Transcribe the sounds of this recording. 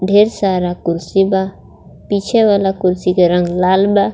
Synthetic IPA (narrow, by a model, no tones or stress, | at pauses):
ɖʱeːɾsaːɾakʊɾsiba | pit͡ʃʰɛʋalakʊɾsikeɾə̃ŋɡlaːlba